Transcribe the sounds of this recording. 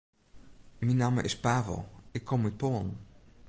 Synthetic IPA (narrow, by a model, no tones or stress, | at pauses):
minaːmə̰ʔɪ̰spaːvə̰lˠɪkʰːɔmːipoːn